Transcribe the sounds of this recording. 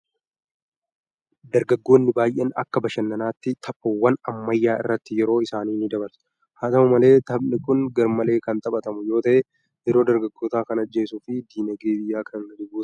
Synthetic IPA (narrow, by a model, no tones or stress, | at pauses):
d̪ɐɾɡɐɡːo̞ːnːɪbaːjʔenɐ̰kːɐbɐʃɐnːɐnaːt̪ːɪt̪ʰɐpʼːɔwːɐnɐmːɐjːaːɪ̰rːɐt̪ːɪjɛɾo̞ːɪsaːniːnɪd̪ɐbɐɾs | haːt̪ɐmɐmɐle̞ːt̪ɐbnɪkʼʊnɡɐɾmɐle̞ːkɐnt̪ʼɐɓɐt̪ɐmʊjo̞ːt̪ɐʔe | jɛɾo̞ːd̪ɐɾɡɐɡːo̞ːt̪aːkɐnɐd͡ʒːe̞ːsʊfɪd̪iːnɐɡeːd̪ɪjːaːkʰɐnɐd̪ɪɡuːs